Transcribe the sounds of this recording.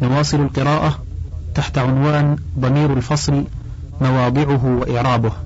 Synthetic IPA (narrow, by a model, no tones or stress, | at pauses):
nawɑːsˤɨlalqɨɾɑːʔa | t̪aħt̪aʕʊnwaːnd̪ˤɑmiːɾalfɑsˤl | mawɑːd̪ˤɨʕʊɦwaʔɪʕɾˤɑːbʊh